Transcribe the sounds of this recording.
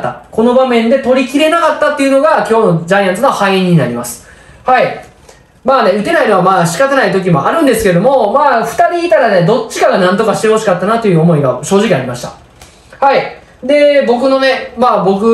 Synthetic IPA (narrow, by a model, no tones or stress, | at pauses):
t̪ːako̞no̞bamẽ̞nd̪e̞t̪o̞ɾʲikʲiɾe̞nakat̪ːat̪ːe̞iɯ̟no̞ɡakʲo̞ːno̞d͡ʑaijãnt͡sɨnohaiẽɲ̟ːinaɾʲimasɨ̥ | hai | maːne̞ɯ̟t̪e̞naino̞βamaːɕi̥kat̪anait̪o̞k̬ʲimo̞̰ʔaɾɯ̟̃nd̪e̞sɨ̥ked̪o̞mo̞maːɸɯ̟̥t̪aɾʲiːt̪aɾane̞d̪o̞t͡ɕːi̥kaɡanãnt̪o̞kaɕi̥t̪e̞ho̞ɕi̥kat̪ːanat̪o̞jɯ̟omo̞iɡaɕo̞ːʑikʲiaɾʲimaɕi̥t̪a̰ | hai | d̪e̞bo̞k̬ɯ̟no̞ne̞maːbo̞kɯ̟